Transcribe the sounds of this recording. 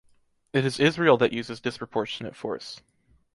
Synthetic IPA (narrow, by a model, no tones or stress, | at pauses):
ɨɾɨzɪzɹil̩ˠðɨʔjʉzɨzdɨspʰɹ̥əpʰɔɹʃɨnɨ̰tfɔ̰ɹs